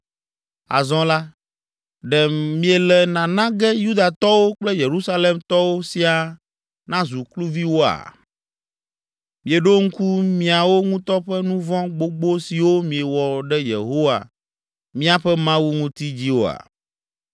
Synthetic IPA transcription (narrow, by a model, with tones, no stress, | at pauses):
a̰˨zɔ̃˦la˦ | ɖɛ˨mĩ˦e˨lɛ˨nã˨nã˦ɡɛ˦ju˦d̪a˨t̪ɔ˦wo˦k͡plɛ˦je˨ɾu˦sa˦le˨mt̪ɔ˦wo˦si˦a˨ | nã˦zu˨klu˦vi˦wo˦a̰˨ | mĩ˨e˨ɖo˦ŋ̩˦ku˦mĩ˦a˨wo˦ŋũ˦t̪ɔ˦ɸɛ˦nũ˦vɔ̃˦ɡ͡bo˦ɡ͡bo˦si˨wo˦mĩ˨e˨wɔ˨ɖɛ˦jḛ˨ɦo˦wa̰˨ | mĩ˦a˨ɸɛ˦mã˦wu˦ŋũ˦t̪i˦d͡ʑi˦wo˦a̰˨